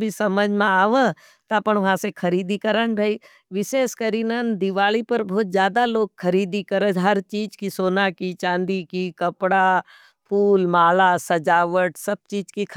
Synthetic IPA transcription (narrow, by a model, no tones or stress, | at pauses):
bʱisɐməd͡ʒmẽaːʋẽ | t̪ɐpəɳʋɐɦãsekʰɐɾiːd̪ikəɾənɾɐɦi | ʋɪʃeːskəɾiːnənd̪ɪʋaːɭipɐɾbɔːt̪zjaːd̪aloːɡxʰɐɾiːd̪ikəɾəɦɐɾt͡ʃiːd͡ʒkisoːnakit͡ʃãːnd̪ikikɐpɽa | pʰuːlmaːlasɐd͡ʒaːʋəʈsɐb̚t͡ʃiːd͡ʒkikʰ